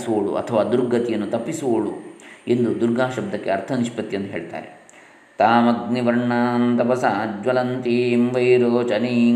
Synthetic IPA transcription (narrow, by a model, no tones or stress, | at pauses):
suoɭṵʔɐ̰t̪ʰɐʋaːd̪uɾɡɐt̪ijɐnːut̪ɐpːisuoɭṵend̪ud̪uɾɡaːʃɐb̚d̪ʱɐkːeɐɾt̪ʰɐniʃpɐt̪ːijɐnd̪ɐɦeːɭt̪a̰ːɾḛ | t̪aːmɐɡniʋɐɾɳaːnt̪ɐbɐsad͡ʒʋɐlɐnt̪imʋɐjɾoːt͡ʃɐni